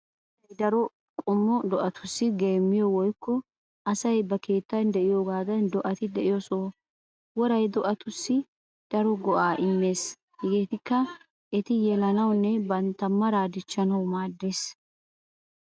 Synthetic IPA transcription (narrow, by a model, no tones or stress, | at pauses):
ɐjd̪ɐɾɔ | kʼʊmːɔd̪ɔʔɐt̪ʰʊ̥sːɪɡe̞ːmːɪjɔwɔjkːɔ | ɐsɐjbɐke̞ːt̪ːɐnd̪ɛʔɪjoːɡaːd̪ɐnd̪ɔʔɐt̪ɪd̪ɛʔɪjɔsoː | wɔɾɐjd̪ɔʔɐt̪ʊsːɪ | d̪̥ɐɾɔɡɔʔaːʔɪmːe̞ːs | hɪɡeːt̪ɪkːɐ | ʔɛt̪ɪjɛlɐnɐwnːɛbɐnt̪ːɐmːɐɾaːd̪ɪt͡ʃːɐnɐwmaːd̪ːeːs